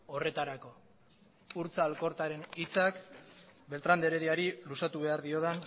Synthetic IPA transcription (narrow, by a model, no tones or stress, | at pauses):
o̞re̞t̪aɾako̞ | uɾt͡saːlko̞ɾt̪aɾe̞nit͡sakbe̞lt̪ɾand̪e̞ɾeðiaɾilusat̪uβe̞aɾðio̞ðan